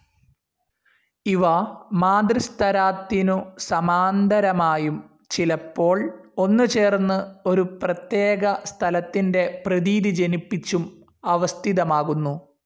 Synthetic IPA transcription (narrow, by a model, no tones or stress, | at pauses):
iʋɐmaːd̪rist̪ʰɐɾaːt̪ːinusɐmaːnd̪ʱɐɾɐmaːjum | t͡ɕilɐpːo̞ːɭo̞nːɨt͡ɕe̞ːrnːɨo̞ɾuprɐt̪je̞ːɣɐst̪ʰɐlɐt̪ːinde̞prɐðiːðid͡ʑenipːit͡ɕːum | ɐʋɐst̪ʰiðɐmaːɣunːu